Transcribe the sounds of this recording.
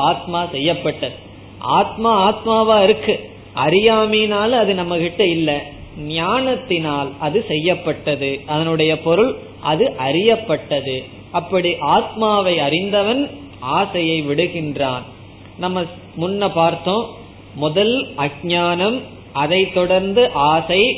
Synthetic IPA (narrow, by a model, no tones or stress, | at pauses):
aːt̪̚maːsɛjːɐpːɐʈːɐðɯ | ʔa̰ːt̪maːaːt̪maːʋaːɪɾɯkːɯ | ʔɐɾɪjaːmiːnaːlɐðɯnɐmːɐɣɪʈːɐɪlːɐ | nɪjaːnɐt̪ːɪnaːlʔɐðɯsɛjːɐpːɐʈːɐðɯʔɐðɐnɯɽɐjɐpɔɾɯɭ | ʔɐðɯʔɐɾɪjɐpːɐʈːɐðɯ | ʔɐpːɐɽiʔaːt̪̚maːʋɐɪɐɾɪnd̪ɐʋɐn | ʔaːsɐjɐɪʋɪɽɯɣɪndraːn | nɐmːɐ | mʊnːɐpaːɾt̪ːõː | mʊðɐlɐɡ̚ɲaːnɐm | ʔɐðɐɪt̪ːɔɽɐɾnd̪ɯʔaːsɐɪ